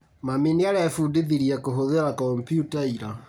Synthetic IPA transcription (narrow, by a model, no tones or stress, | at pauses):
maminiaɾeafudeðiɾiakoɦoðeɾakɔmpjutaiɾa